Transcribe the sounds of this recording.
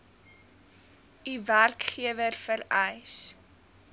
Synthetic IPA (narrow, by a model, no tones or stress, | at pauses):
iværkχiəvərfəɾɛjs